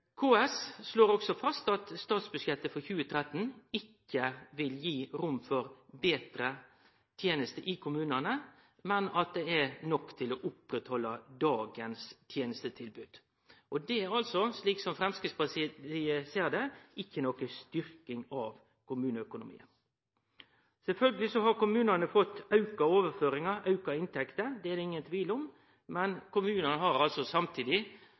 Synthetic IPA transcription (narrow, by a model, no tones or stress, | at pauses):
kʰoːɛssloːɾɔksɔfɑst̪ɑt̪st̪ɑːt̪sbʉʂjɛt̪ːəfɔɾçʉːət̪ʰɾɛt̪ːn̩ɪkːəʋɪljiːɾʊmfɔɾbeːt̪ɾə | t̪ʰjeːnəst̪əʔɪkʰʊmʉːnənə | mɛnɑt̪̚d̪ɛæɾnɔkːt̪ʰɪlɔːʔʊpɾɛt̪hɔlːɑd̪ɑːɡənst̪ʰjeːnəst̪ət̪ʰɪlbʉːd̪̥ | ʔɔd̪ɛɑlsɔsliːksɔmfɾɛmskɾitsbɑsɪəseːɾd̪ɛɪçːənɔkːəst̪ʏɾkɪŋɑʋ | kʰʊmʉːnəœkʊnʊmḭːə̰n | sɛlfœlɡəlɪsɔɦɑɾkʊmʉːnənəfɔt̪ːɑʉkɑoːʋəɾføːɾɪŋɑɾɑʉkɑɪnt̪ʰɛkt̪əɾd̪ɛɛɾɪŋːənt̪ʰʋiːlɔm | mɛnkʊmʉːnənəɦɑɾɑlsɔsɑmt̪ʰiːd̪ɪ